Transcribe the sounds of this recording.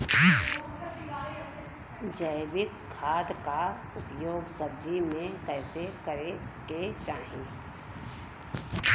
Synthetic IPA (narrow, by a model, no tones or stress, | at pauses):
d͡ʒəɪbɪkkʰːaːd̪ka | ʊpjoːɡsəb̚d͡ʒ̪ʱimẽkɛːsekəɾeket͡ʃaːɦẽː